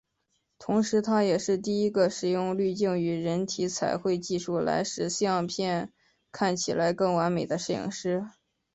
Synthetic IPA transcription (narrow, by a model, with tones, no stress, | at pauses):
t̪ʰʊ˧˥ŋʂɻ̩˧˥t̪ʰa˥jɛ˨˩ʂɻ̩˥˧t̪i˥˩i˥ɡə˧ʂɻ̩˨˩jʊ˥˧ŋly˥˧t͡ɕi˥˩ŋy˧˥ɻə˧˥nt̪ʰi˧˥t͡sʰa˨˩ɪxwe˥˧ɪt͡ɕi˥˧ʂu˥˩la̰˧˥ɪʂɻ̩˨˩ɕi˥ɑ˥˧ŋpʰjɛ˥˧n | kʰa˥˩nt͡ɕʰi˨˩la˧˥ɪkɤ˥˩ŋwa˧˥nme˨˩ɪd̪ə˦ʂɻ̩˥˩j̰ŋʂɻ̩˥